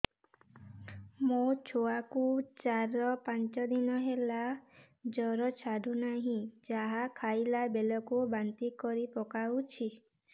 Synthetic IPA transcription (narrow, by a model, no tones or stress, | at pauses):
mot͡ʃʰoakut͡ʃaɾɔpant͡ʃɔd̪inɔɦela | d͡ʒɔɾɔt͡ʃʰaɖʱunaɦĩd͡ʒaɦakʰajlabelɔkubant̪ikɔɾipɔkawt͡ʃʰi